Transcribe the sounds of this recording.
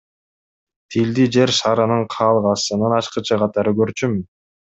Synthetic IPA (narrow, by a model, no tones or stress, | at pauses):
t̪ʰild̪id͡ʒe̞ɾʃɑːɾɯnɯɴqʰɑːlˠʁɑsɯnɯnɑt͡ʃqɯt͡ʃʰɯqʰɑt̪ɑɾɯɡø̞ɾt͡ʃymyn